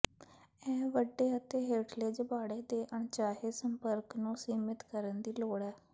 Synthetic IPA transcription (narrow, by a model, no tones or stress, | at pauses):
ɛːʋəɖːeːət̪eːɦeːʈleːd͡ʒəbaːɽeːd̪eːʔəɳt͡ʃaːɦeːsəmpəɾknũːsiːmɪt̪kəɾənd̪iːloːɽɛː